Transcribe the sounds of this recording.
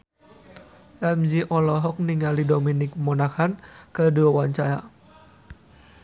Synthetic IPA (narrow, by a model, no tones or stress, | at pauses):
ʔamziʔɔlɔɦɔk̚niŋalidɔminik̚mɔnakhankəduawaɲt͡ʃaɾa